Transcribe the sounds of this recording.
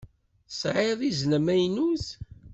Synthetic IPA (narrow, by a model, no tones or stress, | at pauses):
sʕɪðˤiznəmæjnuθ